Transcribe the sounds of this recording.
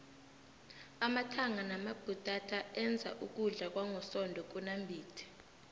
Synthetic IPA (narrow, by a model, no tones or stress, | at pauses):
amatʰaŋanamab̥ʱutʼatʰaɛnd͡zʱa̰ʔuk̬ʼuɮak̬waŋɔsɔndʱɔk̬unambʱiːtʰɛ̥